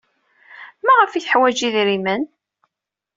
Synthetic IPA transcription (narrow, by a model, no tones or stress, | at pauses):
mæʁəfiθħwæd͡ʒiðɾimən